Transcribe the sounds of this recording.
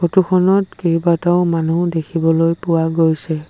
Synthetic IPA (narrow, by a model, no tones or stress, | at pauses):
otukʰɔnɔtkejbataʊmanudekʰibɔlojpʊwaɡojsɛ